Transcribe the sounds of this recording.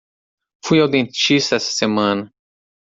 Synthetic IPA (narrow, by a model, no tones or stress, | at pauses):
fujawd̪ẽnt͡ʃist̪ɐɛsɐ̥semɐ̃nɐ